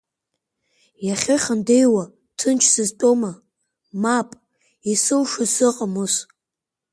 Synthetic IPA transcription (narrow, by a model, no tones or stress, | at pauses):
jaχʲɪχʲandejwa | tʰɨnt͡ʃʰsɨztʼoma | mapʼ | isɨlʂasɨqʼamɨs